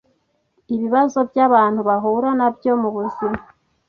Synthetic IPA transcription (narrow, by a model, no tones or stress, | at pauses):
iβiβazo̞bjaβaːnhuβaɦuɾanabjo̞muβuzima